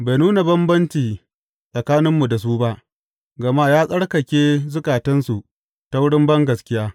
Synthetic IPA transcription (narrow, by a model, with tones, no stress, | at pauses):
ba˨jnuː˦na˨bɐ˦mbɐ˦nt͡ʃiː˨ | sʼɐ˨kaː˦nɪ˦mːu˨da˨s̬uː˦ba˦ʔ | ɡɐ˨ma˦jaː˦sʼɐ˦ɽkɐ˨kʲeː˦zʊ˦kʼaː˨tɐ˦nsu˨ | ta˦wʊ˦ɽɪ˦mbɐ˦ŋɡɐ˨skʲɪ˦jaː˦